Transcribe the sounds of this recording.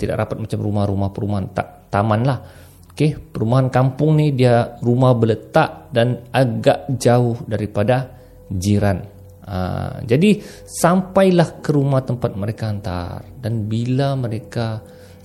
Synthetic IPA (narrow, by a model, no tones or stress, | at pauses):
t̪ida̰ʔɾapat̪̚mat͡ʃamrumahɾumahpəɾumaɦant̪a̰ʔt̪amanlah | kepəɾumaɦankampʊŋnihdiarumahbələt̪aʔdanaɡaʔd͡ʒaʊhdaɾipada | d͡ʒiɾan | ə̰d͡ʒadi | sampajlahkəɾumaht̪əmpat̪̚məɾekaːnt̪a̰rdanbilaməɾeka